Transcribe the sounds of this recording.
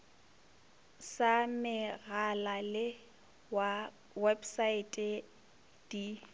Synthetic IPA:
samɪɣalalɪ | wa | wɛbsaɪtʼɛ | d̥i

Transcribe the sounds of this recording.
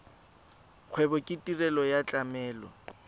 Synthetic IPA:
q͡χʰwɛbɔkʼɪtʼirɛlɔjat͡ɬʼamɛːlɔ̰

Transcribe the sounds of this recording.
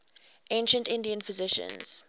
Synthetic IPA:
ʔẽnʃə̃ntɪ̃ndiə̃nfɪzɪʃə̰̃nz̥

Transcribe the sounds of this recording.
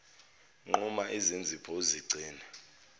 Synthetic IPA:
ŋ͡ǃumaʔizind͡zʱipʰɔuziɡ͡ǀʱiːnɛ

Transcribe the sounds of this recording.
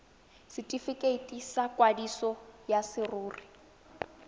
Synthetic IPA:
sɪtʼifikʼetʼisakʼwadisɔjasɪruːri

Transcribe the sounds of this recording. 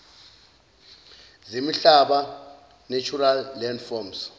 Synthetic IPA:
zimiɬaɓa | nɛt͡ʃʰʼuralːɛndfɔms

